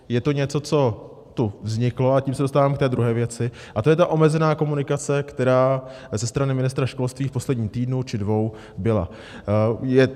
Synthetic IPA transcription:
jɛt̪oɲɛt͡so̞t͡so̞ | t̪uvzɲɪklo̞aciːmsɛdos̬t̪aːvaːmkt̪ɛːd̪ɾuɦɛːvjɛt͡sɪ | ʔat̪o̞jɛt̪aʔo̞mɛzɛnaːko̞munɪkat͡sɛkt̪ɛɾaː | zɛst̪ɾanɪmɪnɪst̪ɾaʃko̞lst̪viːfpo̞slɛdɲiːmt̪iːdnut͡ʃɪdvo̞w | bɪla̰ | jɛ

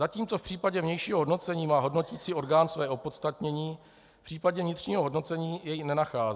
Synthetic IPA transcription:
zaciːmt͡so̞fpr̥iːpaɟɛvɲɛjʃiːɦɦodno̞t͡sɛɲiːmaːɦo̞dno̞ciːt͡siːʔo̞ɾɡaːnsvɛːʔo̞po̞t̪st̪at̪ɲɛɲiː | fpr̥iːpaɟɛvɲɪt̪rɲiːɦo̞ɦo̞dno̞t͡sɛɲiːjɛjnɛnaxaːz

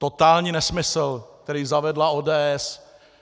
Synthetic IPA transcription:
t̪ot̪aːlɲiːnɛsmɪsl̩k̚t̪ɛɾiːzavɛdlaoːdɛːʔɛs

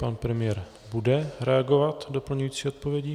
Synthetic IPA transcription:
panpɾɛmɪjɛɾ | budɛɾɛaɡo̞vat̪do̞pl̩ɲujiːt͡siːo̞t̪̚po̞vjɛɟi

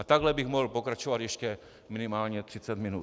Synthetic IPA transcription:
at̪aɡlɛbiɣmɔɦl̩pokɾat͡ʃɔʋad̪jɛʃcɛ | minimaːlɲɛt̪r̥it͡sad̪minṵː

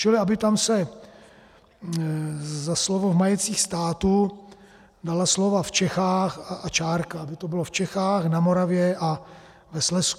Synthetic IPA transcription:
t͡ʃɪlɪabɪt̪amsɛ | zaslovovmajɛt̪t͡siːxst̪aːt̪u | dalaslovaft͡ʃɛxaːxaat͡ʃaːɾkaabɪt̪obɪloft͡ʃɛxaːxnamoɾavjɛʔa | vɛslɛsk

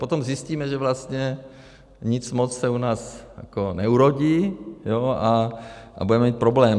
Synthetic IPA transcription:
pot̪omzjɪsciːmɛʒɛvlast̪ɲɛ | ɲɪt͡smot͡ssɛunaːsja̰konɛuɾoɟiːjoaʔa̰budɛmɛmiːt̪̚pɾoblɛːm

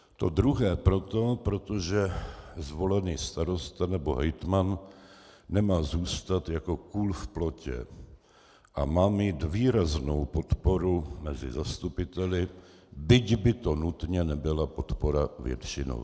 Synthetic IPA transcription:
t̪o̞̰d̪ɾuɦɛːpɾo̞t̪o̞pɾo̞t̪o̞ʒɛzvo̞lɛniːst̪aɾo̞st̪anɛbo̞ɦɛjt̪manː | ɛmaːzuːst̪at̪jako̞kuːlfplo̞cɛ̰ | ʔa̰maːmiːt̪viːɾazno̞wpo̞t̪po̞ɾumɛzɪ̰zast̪upɪt̪ɛlɪ | bɪɟbɪt̪o̞nut̪ɲɛnɛbɪlapo̞t̪po̞ɾavjɛ̰t̪t͡ʃɪno̰w

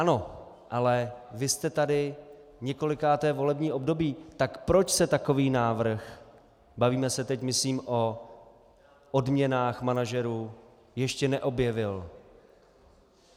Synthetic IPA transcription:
ʔano̞ | ʔalɛvɪst̪ɛt̪adɪɲɛko̞lɪkaːt̪ɛːvo̞lɛbɲiːʔo̞bdo̞biːt̪akpɾot͡ʃsɛt̪ako̞viːnaːvr̩x | baviːmɛsɛt̪ɛcmɪsliːmʔo̞ | ʔodmɲɛnaːxmanaʒɛɾuː | jɛʃcɛnɛʔo̞bjɛvɪl

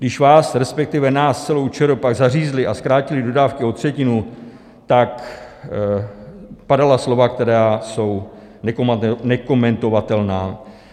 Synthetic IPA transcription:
dɪʃvaːsɾɛspɛk̚t̪ɪvɛnaːst͡sɛlo̞wt͡ʃɛɾopaɡzariːzlɪʔaskɾaːcɪlɪdo̞daːfkɪo̞t̪r̝̥ɛcɪnu | t̪ak | padalaslo̞vakt̪ɛɾaːso̞w | nɛkonɛko̞mɛnt̪o̞vat̪ɛlnaː

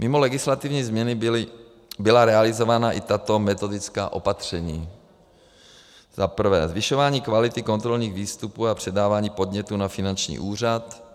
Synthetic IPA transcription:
mʔɪmo̞lɛɡɪslat̪ɪvɲiːzmɲɛnɪɪlɪ | bɪlaɾɛalɪzo̞vaːnaʔɪt̪at̪o̞mɛt̪o̞dɪt͡ska̰ːʔo̞pat̪r̝̥ɛɲiː | z̥apr̩vɛːzvɪʃo̞vaːɲiːkvalɪt̪ɪko̞nt̪ɾo̞lɲiːɣviːst̪upuːapr̝̥ɛdaːvaːɲiːpo̞d̪ɲɛt̪uːnafɪnant͡ʃɲḭːʔuːr̝at̪

